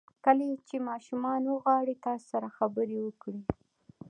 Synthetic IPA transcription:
kəlet͡ʃemɑʃumɑnwəɣwɑɽit̪ɑso̥saɾaxabəɾewəkɽi

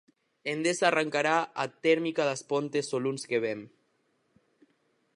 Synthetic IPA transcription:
end̪esaːraŋkaɾaat̪ɛɾmikaðaspont̪esolunskeβ̞en

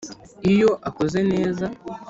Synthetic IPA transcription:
ijo̞ʔako̞ze̞ne̞ːza

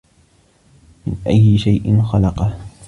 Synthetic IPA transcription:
mɪnʔa̰jːɪʃajʔɪnxalɑqɑ

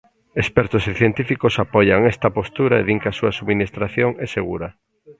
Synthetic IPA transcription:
espɛɾt̪osiθjent̪ifikosapɔʎaŋɛst̪ɐpost̪uɾaḛðiŋkasuasuβminist̪ɾaθjoŋɛseɣuɾa

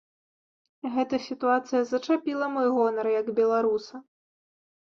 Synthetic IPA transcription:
ɣɛt̪ɐsʲit̪uat̪sɨjɐzɐt͡ʂapʲilˠɐmɔjɣɔnɐɾjɐɡbʲɛlˠaɾusɐ

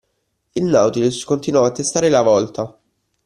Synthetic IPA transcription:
ilnawt̪iliskont̪inwɔat̪ːest̪aːɾelavɔlt̪a

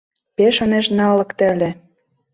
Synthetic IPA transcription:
peʃɤ̆neʃnɑlɤ̆kt̪ælʲĕ

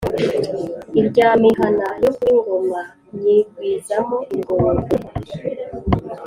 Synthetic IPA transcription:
iɾɟaːmiɦanajokuiŋɡoma | jiɡwizaɦoʔiŋɡoɡe

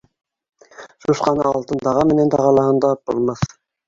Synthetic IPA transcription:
ʃuʃqɑnɑ̰ɑlˠt̪ɤ̆nd̪ɑʁɑmɘ̆nænt̪ʰɑʁɑlˠɑhɤnd̪ɑp̚bolˠmɑθ

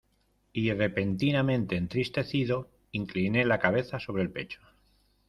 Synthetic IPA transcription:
ire̞pe̞nt̪inamẽnt̪e̞ːnt̪ɾist̪e̞θiðo̞ | iŋkline̞lakaβ̞e̞θaso̞β̞ɾe̞lpe̞t͡ʃo̥

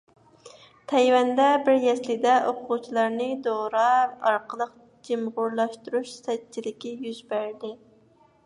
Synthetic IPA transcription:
t̪ʰɛjwɛnd̪ɛbɪɾjɛslɪd̪ɛʔoqʰʊʁut͡ʃʰilˠɑɾnɨd̪oɾɑɑɾqəlˠəq | d͡ʒɪmʁʊɾlˠɑʃt̪uɾuʃsɛt͡ʃʰilɪkʲɪjyzbæɾd̪ɪ

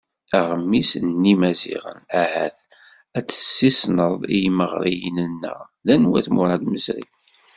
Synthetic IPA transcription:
æʁəmːisnːimæzḭʁə̰næhæθ | æt͡sːə̥sːisnəðˤijməʁɾijənənːə̰ðænwæθmʊɾˤɑɡ̪məzɾḭ

